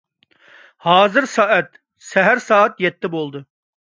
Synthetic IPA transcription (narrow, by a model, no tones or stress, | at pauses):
hɑːzɨɾsɑːɛt̪ | sɛɦæɾsɑːɛt̪jɛt̪ʰːɪbolˠd̪ɨ